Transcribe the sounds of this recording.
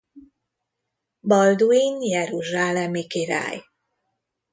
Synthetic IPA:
bɒld̪uinjɛɾuʒaːlɛmikiɾa̰ːj

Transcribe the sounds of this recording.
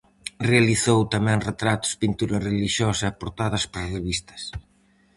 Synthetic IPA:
realiθowt̪amɛ̃ŋret̪ɾat̪ʊ̥spint̪uɾɐreliʃɔsɐɛapoɾt̪aðɐspɾareβist̪ɐ̥s

